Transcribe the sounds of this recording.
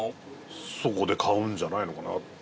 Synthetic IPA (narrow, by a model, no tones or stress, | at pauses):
sokod̪e̞kʰaɯ̟̃ɲ̟d͡ʑanaino̞kana̰t̪